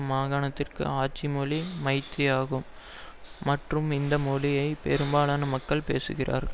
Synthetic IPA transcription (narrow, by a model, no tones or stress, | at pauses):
maːɣaːnɐt̪ːɪrkɯ̰aːt͡ʃːimɔlimɐɪt̪ːɪjaːɣɯmː | ɐʈrɯmɪnd̪ɐmɔlɪjɐɪpɛ̰ɾɯmbaːlaːnɐmɐkːɐɭpeːsɯ̰ɣɪrʔa̰ːɾɣɐ